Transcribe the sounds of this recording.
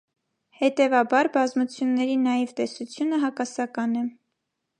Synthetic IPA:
hɛt̪ɛvɑbɑɾbɑzmut͡sʰjunːɛɾinɑjɛvt̪ɛsut͡sʰjunəɦɑkɑsɑkɑnɛ

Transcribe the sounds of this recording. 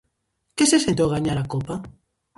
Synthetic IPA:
kesesent̪owɣaɲaɾakopa

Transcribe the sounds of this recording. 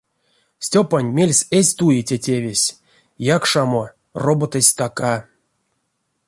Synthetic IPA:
sʲtʲopanʲmʲelʲsʲesʲt̪ujetʲetʲevʲesʲ | jakʂamo | robot̪əsʲt̪aka

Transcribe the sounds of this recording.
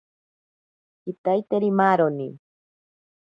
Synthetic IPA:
kit̪ajt̪eɾimaɾoni

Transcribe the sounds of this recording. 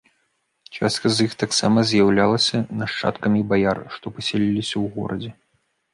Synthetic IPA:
t͡ʂa̰st̪̚kɐzjixt̪aksamɐzʲjawlʲalˠɐsʲɐnɐʂt͡ʂa̰t̪kɐmʲibajarʂt̪ɔpɐsʲɛlʲilʲisʲɐwɣɔ̰ɾɐd͡zʲɛ

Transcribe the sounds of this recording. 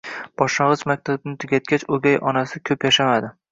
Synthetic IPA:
b̥ɒʃɑʁɨt͡ʃmak̚ʲt̪ʰabɪnɪt̪ʰɪɡʲat̪̚kʲat͡ʃoɡʲajʔɒnasɪkʲʰɵpjaʃamad̪ɪ

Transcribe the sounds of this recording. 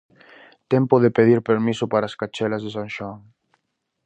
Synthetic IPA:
t̪ɛmpoðepeð̞iɾpeɾmisopaɾaːskat͡ʃɛlazðesãŋʃwaŋ

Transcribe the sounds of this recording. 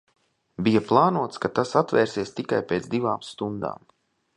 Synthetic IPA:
bijaplˠaːnuɔt̪skat̪asat̪vɛ̰ːɾsiɛst̪ikajpeːt̪zd̪ivaːmst̪und̪a̰ːm

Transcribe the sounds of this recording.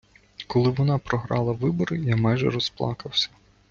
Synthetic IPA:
kɔlˠɪʋɔnɑpɾɔɦɾɑlˠɐʋɪbɔɾɪjamɑjʒɛ̰ɾɔsplˠɑ̰kɐwsʲɐ̥

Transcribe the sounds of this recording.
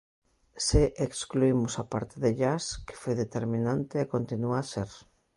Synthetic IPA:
seʔekskluimʊsapa̰ɾt̪eðeʎaske̥fojðet̪eɾmĩnant̪eekont̪inuaseɾ

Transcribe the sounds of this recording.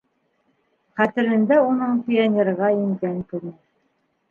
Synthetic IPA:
χæt̪ɘ̆ɾɘ̆nd̪æunɤɴpʲɪonʲerʁɑĭmkæŋkʉɾnæ

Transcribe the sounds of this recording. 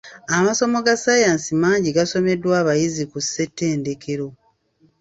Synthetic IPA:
amaso̞mo̞ɡasajaːnsimaːɲɟiɡaso̞me̞dːwaːβajizikuse̞tːe̞ːnde̞keɾo̞

